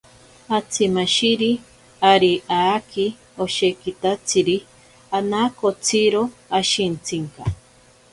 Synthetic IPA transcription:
at͡sʰimaʃiɾi | aɾiʔaki | oʃekit̪at͡sʰiɾi | anakot͡sʰiɾoaʃint͡sʰiŋka

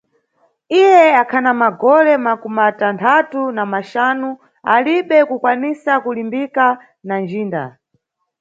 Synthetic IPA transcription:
ijɛakʰanamaɡɔlɛmakumatantʰatunamaʃaːnu | aliɓɛkukwanisakulimbika | nand͡ʒiːnda̰

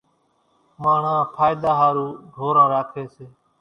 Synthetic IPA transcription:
maːɳ̤ãːpʰaːɪd̪aːɦaːɾũːɖʱoːɾãːɾaːkʰeːseː

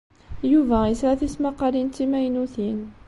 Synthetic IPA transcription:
juvaisaθismɑqɑɾint̪imajnuθin

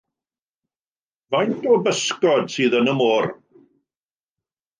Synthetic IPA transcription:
vajntɔbəskɔdsɨːðənəmoːr

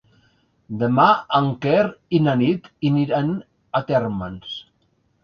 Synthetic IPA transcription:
d̪emaaŋkɛɾinanit̪iniɾan | at̪ɛɾməns

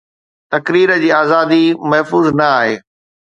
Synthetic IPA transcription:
t̪ɐkɾiːɾəd͡ʑiːaːzaːd̪imɐɦfuːznɐaːɦeː

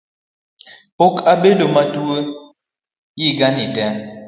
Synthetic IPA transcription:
pokabedomatuə | jiɡanitɛ

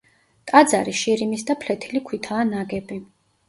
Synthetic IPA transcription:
t̪ʼad̪zaɾiʃiɾimisd̪apʰlɛt̪ʰilikʰwit̪ʰaːnaɡɛbi

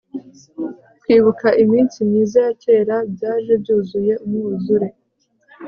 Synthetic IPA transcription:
twiːβukʰaʔimiːnsimiːzajatʰe̞ːɾabjaːʒe̞bjuːzuje̞umŋuːzuɾe

